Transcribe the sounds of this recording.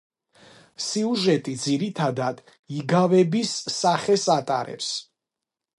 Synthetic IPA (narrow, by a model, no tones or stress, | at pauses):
siuʒɛt̪ʼid̪ziɾit̪ʰad̪ad̪̥ | iɡavɛbisːaχɛsat̪ʼa̰ɾɛ̰ps